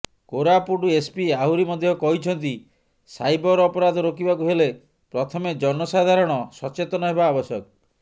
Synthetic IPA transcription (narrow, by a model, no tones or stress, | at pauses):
koɾapuɖuespiaɦuɾimɔd̪ʱjɔkɔɦit͡ʃʰɔnt̪̬i | sajbɔɾɔpɔɾad̪ʱɔɾokibakuɦele | pɾɔt̪ʰɔmed͡ʒɔnɔsad̪ʱaɾɔɽ̃ɔsɔt͡ʃet̪ɔnɔɦebaːbɔsjɔk̚